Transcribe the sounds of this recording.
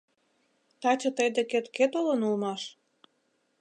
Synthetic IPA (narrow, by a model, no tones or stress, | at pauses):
t̪ɑt͡ɕʲɤ̆t̪əjd̪eket̪ket̪olɤ̆nulmɑʃ